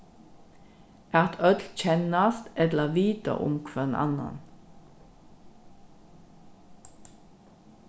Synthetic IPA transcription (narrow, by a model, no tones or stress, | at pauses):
ʔæʁt̪ʰœd̪lc͡çɛnɑst̪ɛlləʋiːt̪ə̰ʔʊ̰mkʰʋənʔɑ̰nɑ̰n